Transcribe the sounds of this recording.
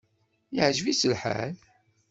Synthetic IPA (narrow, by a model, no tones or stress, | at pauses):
iʕʒvisəlħa̰l